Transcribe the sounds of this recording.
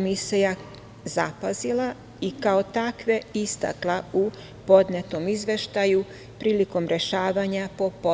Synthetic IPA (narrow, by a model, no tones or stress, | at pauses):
miseja | zapazila | ikao̞t̪akʋe̞ist̪a̰klˠau | po̞d̪net̪o̞mizʋe̞ʃt̪aju | pɾiːliko̞mɾe̞ʃaːʋaɲapo̞po